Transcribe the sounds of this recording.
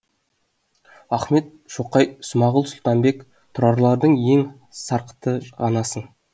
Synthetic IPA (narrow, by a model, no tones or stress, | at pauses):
ɑχme̞t̪̚ʃoqɑjsʊmɑʁəlˠsʊlˠt̪ɑmbe̞k | t̪ʰʊɾɑɾlˠɑɾd̪əɴje̞ŋ | sɑɾqə̥t̪əʁɑnɑsən